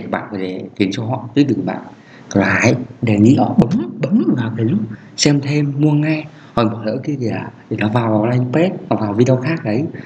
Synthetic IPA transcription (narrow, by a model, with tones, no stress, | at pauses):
ɓa̰ː˧˨nkɔː˨˩je˧˩xi˨˦ənt͡ɕɔ˧ɦɔ̰˧˨t̪ɨː˨˦jt̪ɨ˨˩˨ɓa̰ː˧˨n | kɔ˧˩la˨aː˨˦jɗe˨˩ŋḭ˧˥ʔɔ˧˩ɓə˨˦mɓə˨˦m˨˦vaː˨˩wt̪ʰe˨˩zu˦˥p̚ | sɛ˧mt̪ʰe˧mːu˧əŋɛ˧ | hɔ̰˨˩jmo˨˩t̚lə̰ː˧˥ki˧t̪ʰi˨˩aː˨˩t̪ʰi˨˩nɔ˨˦vaː˨˩wvaː˨˩wla˧jŋ˧pe˦˥t̚nɔ˨˧˩vaː˨˩wvi˧ɗə˧wxaː˦˥k̚ɗə˨˦j